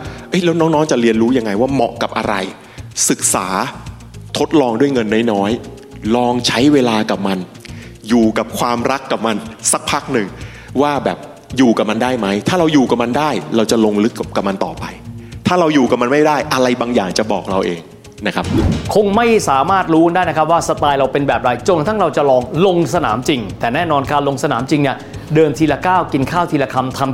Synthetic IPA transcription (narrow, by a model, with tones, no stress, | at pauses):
ʔɤ˦˥jlɛː˦˥wnɔː˦˥ŋnɔː˦˥ŋt͡ɕa˨˩ɾi˧ənɾuː˦˥ja˧ŋːa˧jwaː˥˩mɔ̰˨˩ʔka˨˩p̚ʔa̰˧ɾa˧j | sɯ˨˩k̚saː˩˦ | t̪ʰo˦˥t̪̚lɔː˧ŋdu˥˩əjŋɤ˧nːa˥˩jnɔː˦˥j | lɔː˧ŋt͡ɕʰa˦˥jweː˧laː˧ka˨˩p̚ma˧n | juː˨˩ka˨˩p̚kʰwaː˧mɾa˦˥kːa˨˩p̚ma˧nsa˦˩k̚pʰaː˦˥˩k̚nɯ˨˩ŋ | waː˥˩bɛː˨˩p̚ | juː˨˩ka˨˩p̚ma˧ndaː˥˩jma˦˥jt̪ʰaː˥˩ɾa˧wjuː˨˩ka˨˩p̚ma˧ndaː˥˩jɾa˧wt͡ɕa˨˩lo˧ŋlɯ˦˥kːp̚kːa˨˩p̚ma˧nt̪ɔ̰ː˨˩pa˧jt̪ʰaː˥˩ɾa˧wjuː˨˩ka˨˩ma˧nma˥˩jdaː˥˩jʔa˧ɾa˧jbaː˧ŋjaː˨˩ŋt͡ɕa˨˩bɔ̰ː˨˩k̚ɾa˧wʔeː˧ŋ | na˦˥kʰa˦˥p̚kʰo˧ŋma˥˩jsaː˩˦maː˥˩t̪̚ɾuː˦˥naː˥˩jn˦k̚ʰwaː˥˩sa˧t̪aː˧jɾa˧wpe˧nbɛː˨˩p̚ɾa˧jt͡ɕo˧nt̪ʰa˥˩ŋɾa˧wt͡ɕa˨˩lɔː˧ŋlo˧ŋsa˧na̰ː˩˦mt͡ɕi˧ŋt̪ɛː˨˩nɛː˥˩nɔː˧nkʰaː˥˧nlo˧ŋsa˧naː˩˦mt͡ɕi˧ŋni˥˩ɐ | dɤː˧nt̪ʰiː˧la˧kaː˥˩wki˧nkʰaː˥˩wt̪ʰi˧la˧kʰa˧mt̪ʰa˧m